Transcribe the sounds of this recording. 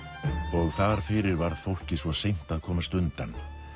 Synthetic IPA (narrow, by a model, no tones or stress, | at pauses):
ɔɣθaɾ̥fɪɾɪɾvaɾðθowhcɪsvɔsejm̥t̪aðkʰɔːmast̪ʏnt̪an